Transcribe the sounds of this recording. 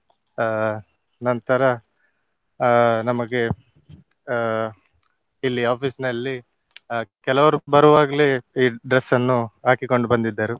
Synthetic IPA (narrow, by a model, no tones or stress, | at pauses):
nɐnt̪ɐɾɐ | nɐmɐɡe̞ | ilːiaːpʰiːsnɐlːi | kɛlɐʋɐɾubɐɾuʋaːɡɐleiːɖɾesːɐnːuɦaːkiko̞ɳɖubɐnd̪id̪ːaːɾu